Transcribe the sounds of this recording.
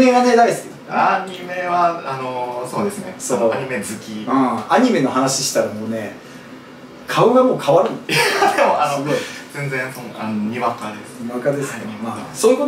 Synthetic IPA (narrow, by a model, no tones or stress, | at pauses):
me̞ɡane̞d̪aiskʲi | aɲime̞βaanoso̞ːd̪esɨnesoaɲ̟ime̞zɨkʲiɯ̃ːaɲ̟ime̞no̞ɦanaɕi̥ɕi̥t̪aɾamoːne̞ | kʰaɯ̟ɡamo̞ːkʰaβaɾɯ̟̃nad̪emoanoɡozẽ̞nd͡zẽsoanoɲiβakad̪esɲiakad̪e̞sɨ̥emaːsoːi̟ko̞t̪